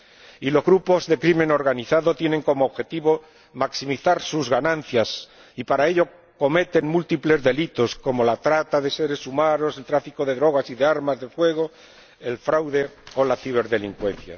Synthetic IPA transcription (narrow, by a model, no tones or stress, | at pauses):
ilo̞zɣɾupo̞zðe̞kɾime̞no̞ɾɣaniθaðo̞t̪je̞ne̞ŋko̞moːβxe̞t̪iβo̞ | maksimiθaɾsuzɣanãn̟θjas | ipaɾae̞ʎo̞ | ko̞me̞t̪e̞ŋmult̪iple̞zðe̞lit̪o̞sko̞mo̞lat̪ɾat̪aðe̞se̞ɾe̞sumaɾo̞se̞lt̪ɾafiko̞ðe̞ðɾo̞ɣ̞asiðe̞aɾmazðe̞fwe̞ɣ̞o | e̞lfɾawðe̞o̞laθiβ̞e̞ɾðe̞liŋkwe̞n̟θja̰